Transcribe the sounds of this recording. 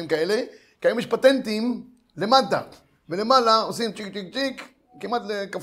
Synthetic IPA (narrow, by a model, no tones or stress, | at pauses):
imkae̞le̞ | kiajumiʃpat̪e̞nt̪im | le̞mata̰ | vele̞malaosimt͡ʃik̚t͡ʃik̚t͡ʃikː | imat̪lekaf